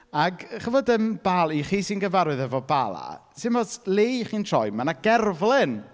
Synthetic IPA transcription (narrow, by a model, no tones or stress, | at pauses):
aɡχəvɔdəmb̥alˠiχiːsinɡəvaɾɨðɛvɔba̰lˠa̰sɪmɔslˠeχiːntʰrɔ̰jmanaɡɛrvlˠɪn